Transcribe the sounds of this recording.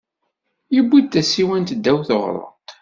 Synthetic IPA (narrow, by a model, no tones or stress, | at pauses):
jəbːid̪̚t̪ːæsiwænt̪d̪ːæwθoʁɾˤə̰t̪